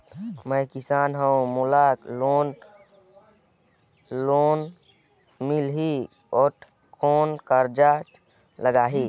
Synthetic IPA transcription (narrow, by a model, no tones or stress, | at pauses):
mə̃kɪsaːnɦəũmulakloːn | loːn | milɦi | oːʈ | kʰoːnkəɾd͡ʒa | ləɡaːɦiː